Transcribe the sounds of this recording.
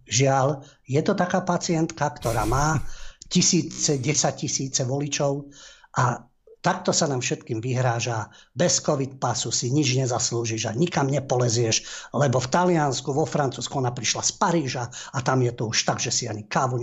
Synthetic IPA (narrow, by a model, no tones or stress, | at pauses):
ʒɪal | jɛt̪ɔt̪akaːpat͡siɪɛnt̪kakt̪ɔɾaːmaːcisiːt͡sɛɟɛsaccisiːt͡sɛʋɔlit͡ʃɔʊʔa | t̪ak̚t̪ɔsanaːmfʃɛt̪kiːmʋiɦɾaːʒabɛskɔʋit̪̚pasusiɲid͡ʒɲɛzasluːʒiʒa̰ɲikamɲɛpɔlɛzɪɛʃlɛbɔft̪alɪanskuʋɔfɾant͡suːskuɔnapɾiʃlaspaɾiːʒaat̪amjɛt̪ɔuʃt̪aɡʒɛsiaɲikaːʋuɲ